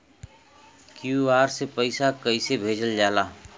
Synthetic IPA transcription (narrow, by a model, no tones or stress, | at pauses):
kjuaːɾsepəɪsakəisebʱeːd͡ʒəld͡ʒaːlaː